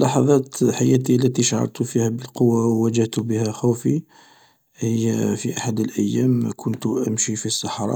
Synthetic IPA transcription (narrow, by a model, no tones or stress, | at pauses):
lɑħɑðˤɑt̪ħajæt̪̬ilːæt̪iʃʕɑ̰ɾˤt̪ufihæbəlqowːawːæd͡ʒəht̪ubəhæxufi | həjːfiʔaħad̪əlʔəjːæmkʰʊnt̪ʔə̰mʃifisːɑħɾˤɑ̰